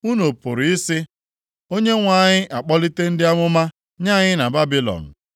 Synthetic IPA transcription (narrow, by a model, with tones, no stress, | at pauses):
u˦no˨pʊ˨ɾi˦sɪ˦ | o˦ɲe˦ŋʷa˨ɲɪ˦ʔa˨k͡pɔ˦li˦te˦n̩˦dɪ˦a˦ŋʷʊ˦ma˦ | ɲa˦˨ɲɪ˦na˨ba˦bi˦lɔ̰˨n̩˨